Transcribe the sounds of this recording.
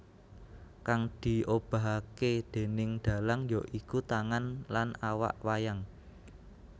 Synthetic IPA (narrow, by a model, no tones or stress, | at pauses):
kaŋd̪̥i̤ob̥a̤ɦaked̪̥e̤nɪŋɖ̪̥ä̤laŋjɔʔikut̪aŋanlanawa̰ʔwajaŋ